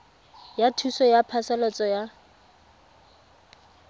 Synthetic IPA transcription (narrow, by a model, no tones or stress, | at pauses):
jatʰusɔjapʰasɛlɔt͡sʼɔja